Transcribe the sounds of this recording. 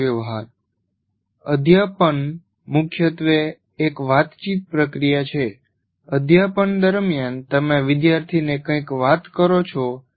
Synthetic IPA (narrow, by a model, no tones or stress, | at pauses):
əʋɦaɾ | əd̪ʱjapən | mʊkʰjət̪ʋeː | kʋat̪t͡ʃit̪̚pɾəkɾijat͡ʃʰe | əd̪ʱjapəɳd̪əɾmjant̪əmeʋɪd̪jaɾt̪ʰinekə̃jkʋat̪kəɾot͡ʃʰo